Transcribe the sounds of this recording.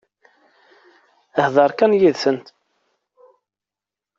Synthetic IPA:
əhðˤɑɾˤkænjiðθənt̪

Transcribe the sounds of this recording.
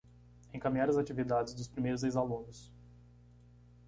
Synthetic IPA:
ẽkamĩaɾɐzat͡ʃivid̪ad͡ʒɪzd̪ʊspɾimejɾʊzejzalũnʊs

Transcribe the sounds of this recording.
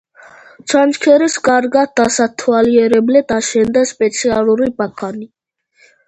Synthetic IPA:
t͡ʃʰant͡ʃkʰɛɾɛskʼaɾɡad̪asat̪ʰwaliɛɾɛblɛd̪̥aʃɛnd̪aspʼɛt̪sʰialuɾibakʰani

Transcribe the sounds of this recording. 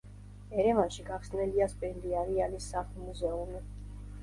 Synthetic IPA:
ɛɾɛvanʃiɡaχsnɛliaspʼɛɾliaɾialisaχlˠmuzɛumi

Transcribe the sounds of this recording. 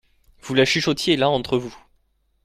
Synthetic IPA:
v̥ulaʃiʃɔt̪jelaɑ̃t̪χəvu

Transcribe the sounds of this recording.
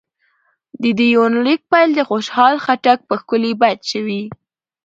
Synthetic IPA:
d̪əd̪əjonlik̚pajld̪əxoʃhɑlxaʈak̚pəxkʊlibajd̪ʃəwi

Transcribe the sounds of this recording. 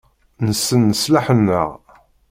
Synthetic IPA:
nəsːənːəslaħənːə̰ʁ

